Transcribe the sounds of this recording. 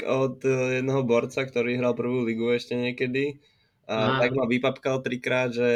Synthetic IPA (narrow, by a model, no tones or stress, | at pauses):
ɔt̪jɛd̪nɛɦɔbɔɾt͡sakt̪ɔɾiːɦɾalpr̩ʋuːliɡuɛʃcɛɲɪɛkɛd̪i | at̪aɡmaʋipapkalt̪ɾikɾaːd̪ʒɛ